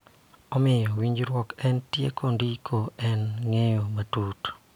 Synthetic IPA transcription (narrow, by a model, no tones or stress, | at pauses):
ɔmɪjɔwiɲd͡ʒɾwɔkɛntjḛkʰondikʰoɛnŋejomatut